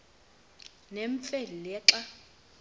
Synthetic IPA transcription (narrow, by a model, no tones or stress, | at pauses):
nɛɱfelilɛːǁa